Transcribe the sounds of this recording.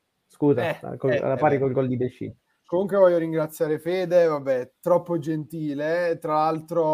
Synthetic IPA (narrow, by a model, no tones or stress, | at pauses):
skuːza̰ko̰lapaːɾikolɡold̪ibeʃt͡ʃːḭ | komuŋkwevɔjːoɾiŋɡɾat̪sːjaːɾefeːd̪evabːɛt̪ɾɔpːod͡ʒent̪iːlet̪ɾalalt̪ɾo